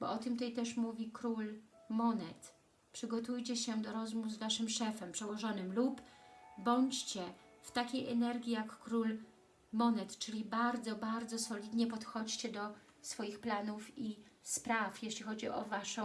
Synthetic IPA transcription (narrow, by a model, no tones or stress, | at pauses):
bɔ̰ɔt̪ɘmt̪ɛjt̪ɛʂmuvʲikɾulmɔnɛt̪ | pʂɘɡɔt̪ujt͡ɕɛɕɛd̪ɔɾɔzmuvzvaʂɘmʂɛfɛmpʂɛwɔʐɔnɘmlupbɔɲt͡ɕt͡ɕɛft̪akʲejʔɛnɛɾɡʲijakːɾul | mɔnɛt̪t͡ʂɘlʲibaɾd̪zɔbaɾd̪zɔsɔlʲid̪ɲɛpɔt̪xɔt͡ɕt͡ɕɛd̪ɔ | sfɔjixplanufispɾafjeɕlʲixɔd͡ʑiʔɔ̰vaʂɔ̃